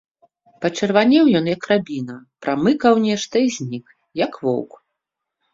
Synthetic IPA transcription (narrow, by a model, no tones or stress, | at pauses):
pɐt͡ʂɛrvanʲɛwjɔnjɐkrabʲinɐpɾamɨkɐwnʲɛʂt̪ɐizʲnʲik | jɐkvɔ̰wk